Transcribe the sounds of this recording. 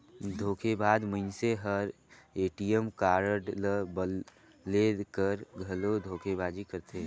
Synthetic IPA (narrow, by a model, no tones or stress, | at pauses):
d̪ʱoːkʰebaːd̪məɪnseɦəɾ | eːʈijəmkaːɾʈbə | lekəɾɡʱɐlod̪ʱoːkʰebaːd͡ʒikəɾt̪ʰe